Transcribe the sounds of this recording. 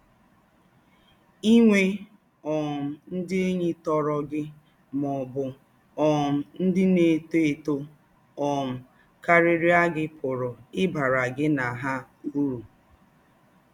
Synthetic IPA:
i˦ŋʷe˦ | ɔ˨m̩˨n̩˦dɪ˦e˦ɲe˦tɔ˦ɾɔ˦ɡɪ˦ | mɔ˨bʊ˨ | ɔ˨m̩˨n̩˦dɪ˦ne˨te˦e˨to˦ | ɔ˨m̩˨ | ka˦ɾɪ˦ɾi˦a˦ɡɪ˦pʰʊ˨ɾʊ˨ɪ˦ba˨ɾa˨ɡɪ˦na˨ɦa˦ | u˦ɾu˨

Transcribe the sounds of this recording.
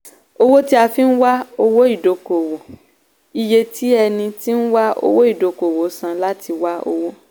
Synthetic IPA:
o˦wo˦ti˦a˧fi˦n̩˦wa˦o˦wo˦i˦˨do˨ko˨wo˨ | i˨je˧ti˦ɛ˧nĩ˧ti˦n̩˦wa˦o̰˦˧wo˦i˦˨do˨ko˨wo˨˦sã˧la˦ti˧wa˦o̰˧wo˦

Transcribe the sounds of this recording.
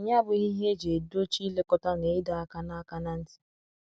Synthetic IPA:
ɲa˦bʊ˨i˦ɦe˦d͡ʒe˨do˦t͡ʃi˦le˦kɔ˦ta˦ne˨ɪ˦da˨a˦ka˦na˦a˦ka˦na˦n̩˦ti̥˨

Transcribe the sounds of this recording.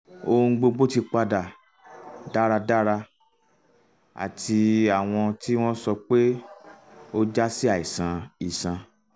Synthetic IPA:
o˧ŋ̩˧ɡ͡bo˧ɡ͡bo˦ti˧k͡pa˧da˨ | da˦ɾa˧da˦ɾa˧ | a̰˨tʰi˧a˦˨w̃ɔ̃˧ti˦w̃ɔ̃˦sɔ˧k͡pe˦ | o˦d͡ʒa˦si˦a˦˨i˨sã˨˧i˨sã˨˧

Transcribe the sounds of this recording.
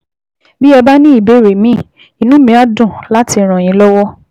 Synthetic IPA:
bi˦ɛ˧ba˦nĩ˦i˦˨be˨˦˨ɾe˨mĩ˦˨ | i˨nũ˨˦mĩ˧˦a˦dũ˦˨la˦ti˧˨ɾ̃ã˨j̃ĩ˨˦lɔ˦wɔ˦

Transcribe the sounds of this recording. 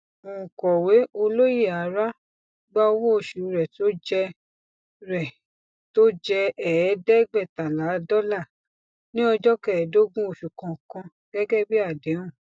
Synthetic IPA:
o˨ũ˨kɔ˨we˨˦o˧lo˦je˦˨a˨˦ɾa˦ | ɡ͡ba˦o˧wõ˦o˨ʃu˨˦ɾɛ˨to˦d͡ʒɛ˧ | ɾɛ˨ | to˦d͡ʒɛ˧ɛ˨ɛ˨˦dɛ˦ɡ͡bɛ˦˨ta˨la˨˦dɔ˦la˦˨ | nĩ˦ɔ˧d͡ʒɔ˦kɛ˦˨do˦ɡũ˦o˨ʃu˨kã˨kã˧ | ɡ̥ɛ˦ɡɛ˦bi˦a˦˨dẽ˨˦ũ˦˨

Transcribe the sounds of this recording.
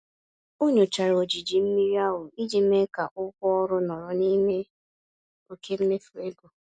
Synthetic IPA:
o˦ɲo˨t͡ʃa˨ɾo˨d͡ʒi˨d͡ʒi˨m̩˦mi˦ɾi˦a˦ɦʊ˨i˦d͡ʒi˨˦me˦ka˨ʔʊ˦kʷɔ˦ɔ˦ɾʊ˦nɔ˨ɾɔ˨ni˦me˦ | o˨ke˦m̩˦me˦fu˨e˦ɡo˨

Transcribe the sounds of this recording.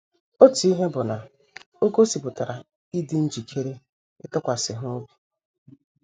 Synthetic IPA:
o˦ti˦ɦe˦bʊ˨na˨ | o˦ko˦si˨pʊ˨ta˨ɾa˨ | i˦di˦n̩˦d͡ʒi˨kʰe˦ɾe˦ | ɪ̰˦tʊ˦kʷa˨sɪ˨ɦʊ˦o˦bi˨

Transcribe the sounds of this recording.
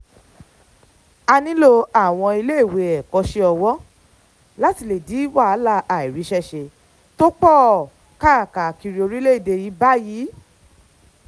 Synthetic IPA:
a˧nĩ˦lo˧a˦˨w̃ɔ̃˧i˧le˦i˦˨we˨ɛ˨kɔ˨˧˦ʃe˧ɔ˧wɔ˦ | la˦ti˧le˨di˨˦wa˦˨a˨˦la˧a˨i˨ɾi˨˦ʃɛ˦ʃe˧ | to˦k͡pɔ˦˨ | ka˦a˨ka˨ki˧ɾi˧o˧ɾi˦le˦i˦˨de˧ji˨˦ba˦ji˨˦

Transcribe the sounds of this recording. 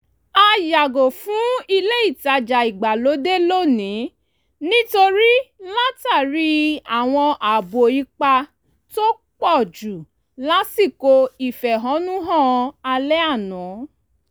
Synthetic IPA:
a˧ja˨ɡo˨fũ˦i˧le˦i˦˨ta˨d͡ʒa˨i˨ɡ͡ba˨lo˨˦de˦lo˦˨nĩ˨˦ | nĩ˦to˧ɾi˦la˦ta˦˨ɾi˦a˨w̃ɔ̃˧ʔa˨bo˨i˧˦k͡pa˧ | to˦ | k͡pɔ˦˨d͡ʒu˨ | la˦si˦˨ko˧i˨fɛ˨ɦɔ̃˨˦nũ˦ɦɔ̃˦˨˧a˧lɛ˦a˦˨nɔ̃˨˦

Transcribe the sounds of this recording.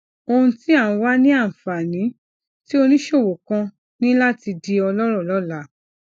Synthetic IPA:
o˧hũ˧ti˦a˦˨ũ˨˧˦wa˦nĩ˦a˦˨fa˨nĩ˨˦ | ti˦o˧nĩ˦ʃo˦˨wo˨kã˧ | nĩ˦la˦ti˧di˧ɔ˧lɔ˦ɾɔ˦˨lɔ˦˨la˨˦

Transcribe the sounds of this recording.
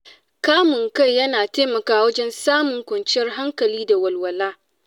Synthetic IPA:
kaː˦mʊ˨ŋka˦˨jːɐ˦naː˨teː˦mɐ˨kaː˦wɐ˦d͡ʒɛ˦nsaː˦mʊ˨ŋkʷɐ˨nt͡ʃɪ˦jɐ˦rɦa˦ŋkɐ˨liː˦da˨wɐ˨lwɐ˨laː˦

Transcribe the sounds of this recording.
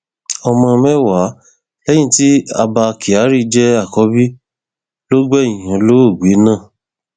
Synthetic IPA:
ɔ˧mɔ̃˧mɛ̃˦wa˨˦ | lɛ˦jĩ˦˨ti˦a˧ba˧ki˨a˨˦ɾi˦d͡ʒɛ˦a˦˨kɔ˨˦bi˦ | lo˦ɡ͡bɛ˦ĩ˨j̃ã˨˧˦lo˦o˦˨ɡ͡be˨˦nãː˦˨

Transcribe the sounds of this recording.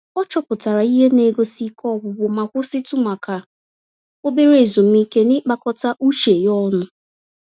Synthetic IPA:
ɔ˦t͡ʃɔ˦pʊ˨ta˨ɾa˨i˦ɦe˦ne˦ɡo˦si˦kʰɔ˦˨ɡʊ˨bʊ˨ma˨kʷʊ˦sɪ˦tʊ˦ma˨ka˨ | o˦be˦ɾe˦˨zo˨m̩˦i˦ke˦nɪ˦k͡pa˦kɔ˦ta˦ʔu˦t͡ʃe˨jɔ˦nʊ˦

